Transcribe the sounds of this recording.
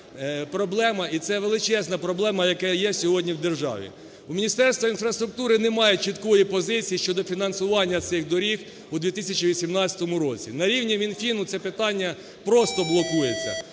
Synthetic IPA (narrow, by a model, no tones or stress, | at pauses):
pɾɔblˠɛmɐit̪sɛʋelˠɪt͡ʃɛznɐpɾɔblˠɛmɐjɐkɛjɛsʲɔɦɔdʲnʲiwd̪erʒɑ̰ʋʲḭ | umʲinʲist̪ɛrst̪ʋɐinfɾɐst̪ɾʊk̚t̪uɾɪnɛmɑjet͡ʃit̪kɔjipɔzɪt͡sʲijiʃt͡ʃɔd̪ɔfʲinɐnsʊʋɑnʲːɐt̪sɪxd̪ɔɾʲix | ud̪ʋʲit̪ɪsʲɐt͡ʃiʋʲisʲimnɑt͡sʲɐ̥t̪ɔmʊɾɔt͡sʲinɐɾʲiwnʲimʲinfʲinʊt̪sɛpɪt̪ɑnʲːɐ | pɾɔst̪ɔblˠɔkujet͡sʲːɐ̰